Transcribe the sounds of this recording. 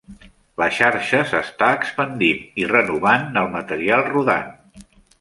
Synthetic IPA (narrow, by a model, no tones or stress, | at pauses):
ləʃaɾʃəzəst̪aəkspənd̪inirənuβ̞anːəlˠmət̪əɾialˠruða̰n